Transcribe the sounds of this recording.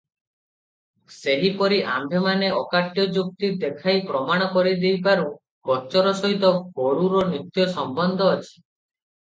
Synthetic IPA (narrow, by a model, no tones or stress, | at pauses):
seɦipɔɾiʔambʱemaneɔkaʈjɔd͡ʒuk̚t̪id̪ekʰajpɾɔmaɽ̃ɔkɔɾid̪ejbaɾu | bɔt͡ʃɔɾɔsɔɦit̪ɔɡoɽuɾɔnɾit̪jɔsɔmbɔnd̪ʱɔːt͡ʃʰi̥